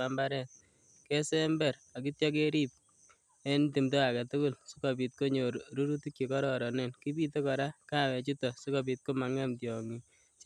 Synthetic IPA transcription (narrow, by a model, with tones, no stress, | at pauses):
a˦mba˦ɾɛ˨t̚ | ke˦sɛ˦mbɛ˨ɾ | a˨ki˦tjɔ˦k̬e˦ɾi˦p̚ | e˦nti˨mto˦a˨ka˨tu˦kʊ˦˨lsi̥˦kɔ˨p̬i˨t̚ko˦ɲo˨ɾu˦ɾu˦tuki˨kɔ˦ɾɔ˨ɾɔ˨ne˨nki˦bi˦te˦kɔ˨ɾa˦ka˦wɛ˨t͡ʃi˦tɔ˨si˦kɔ˨p̬i˨t̚ko˦ma˨ŋɛ˦mtjɔŋi˨